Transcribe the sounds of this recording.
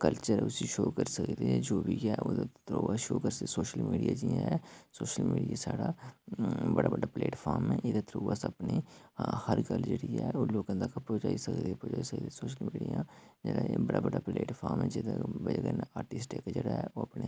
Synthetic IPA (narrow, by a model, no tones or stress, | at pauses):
kəlt͡ʃəɾʊsiʃoːkəɾsəkt̪iɛd͡ʒoːbʱikaʔod̪t̪ɾoːʋaʃoːkəɾssoːʃəlmiːɖijad͡ʒiaɦɛsoːʃəlmḭːɖijasaːɽa | bɐɽabɐɽapleːʈfʰɔːɾmɛ̃ʔɪd̪at̪ʰɾoːʋasɐpnehəɾɡəld͡ʒeɽiɛoːloːɡə̃nd̪akapɔd͡ʒaːisəkt̪ːpɔd͡ʒaːisəkt̪ːsoːʃəlmiːɖijãːd͡ʒenajebɐɽabɐɽapleːʈfaːɾmɦɛ̃d͡ʒed̪ebəd͡ʒɡənaːɾʈɪsʈekad͡ʒeɽaɦɛoːɐpne